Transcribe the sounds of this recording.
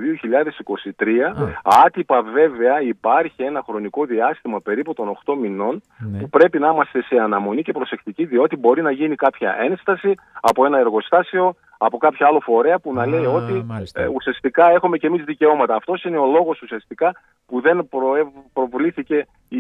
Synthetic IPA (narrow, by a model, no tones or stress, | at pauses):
ðioçiʎɐðe̞siko̞sit̪ɾiɐɐt̪ipɐve̞ve̞ɐipɐɾçie̞nɐxɾo̞niko̞ðiɐst̪imɐpe̞ɾiput̪o̞no̞xt̪o̞mino̞n | pupɾe̞pinɐimɐst̪e̞se̞ɐnɐmo̞nice̞pɾo̞se̞xt̪iciðio̞t̪ibo̞ɾinɐʝinikɐpçɐ̰ʔe̞nst̪ɐsi | ɐpo̞e̞nɐe̞ɾɣo̞st̪ɐseo̞ | ɐpo̞kɐpçɐɐlo̞fo̞ɾe̞ɐpunɐle̞io̞t̪iusiɐst̪ikɐe̞xome̞ce̞mizðice̞o̞mɐt̪ɐːft̪o̞sine̞o̞lo̞ɣo̞susiɐst̪ikɐ | puðe̞npopɾo̞vliθice̞